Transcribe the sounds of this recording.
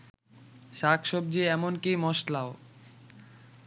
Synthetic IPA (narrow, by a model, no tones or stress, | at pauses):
ʃakʰʃobd͡ʑiɛmonkimɔʃlao